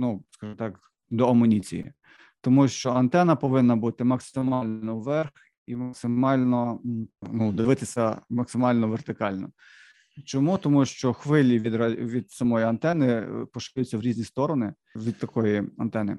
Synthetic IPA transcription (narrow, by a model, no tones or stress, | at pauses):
nuskɑʒɪmt̪ɑk | d̪ɔɐmɔnʲit͡sʲḭjḭ | t̪ɔmuʃt͡ʃɔɐnt̪ɛnɐpɔʋɪnːɐbut̪ɪmɐksɪmɑlʲnɔwʋɛrx | imɐksɪmɑlʲnɔ | nud̪ɪʋɪt̪ɪsʲɐmɐksɪmɑlʲnɔʋert̪ɪkɑlʲnɔ̰ | t͡ʃɔmut̪ɔmuʃt͡ʃɔxʋɪlʲiʋʲid̪ɾʋʲid̪sɐmɔjiɐnt̪ɛnɪpɔʃɪlʲʊt͡sʲːɐwɾʲiznʲist̪ɔɾɔnɪ | ʋʲid̪̚t̪ɐkɔjiɐnt̪ɛnɪ̰